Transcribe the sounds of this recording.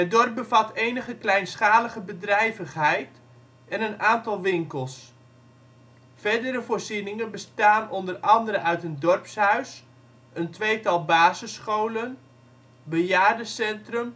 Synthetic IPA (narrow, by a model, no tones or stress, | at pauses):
ɦədɔrp̚bəvɑtejnəχəklɛjnsχaːləχəbədrɛjvəχɦɛjt | ɛnənaːntɑlˠʋɪŋkəlˠs | fɛɹdəɾəvoːrzinɪŋənbəstaːnɔndərɑndəɾəʔœɥtəndɔrpshœɥs | əntʋejtɑlˠbaːzəsχowlən | bəjaːrdəsɛntrɵm